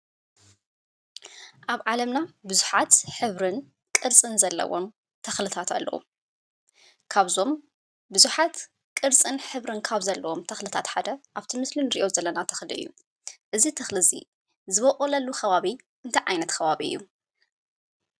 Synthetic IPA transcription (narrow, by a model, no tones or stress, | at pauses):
ʔaβʕalɐmnabɨzuħat̪ħɨβɾɨn | kʼɨɾt͡sʼɨnzɐlːɐ̰wo̰m | t̪ʰɐxlɨt̪ʰat̪ʰa̰lːʔɐ̰wṵ | kʰaβzo̞m | bɨzuħat̪ | kʼɨɾt͡sʼɨnħɨβɾɨnkʰaβzɐlːɐwomt̪ʰɐxlɨt̪ʰat̪ħad̪ɐʔaβt̪ʰimɨslinɨɾiʔo̞zɐlːɐnat̪ʰɐ̥xlɨʔɨ̰jːu | ʔɨzit̪ʰɐxlɨzḭ | zɨβɐχʼolɐlːuxɐβaβi | ʔɨnt̪ʰɐʕajnɐt̪kʰɐβaβiɨjːu